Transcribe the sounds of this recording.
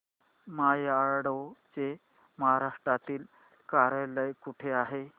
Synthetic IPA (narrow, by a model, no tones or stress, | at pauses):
majaɭɽəwt͡se | məɦaɾaʂʈɾat̪iːl | kaɾələjkuʈʰeaɦe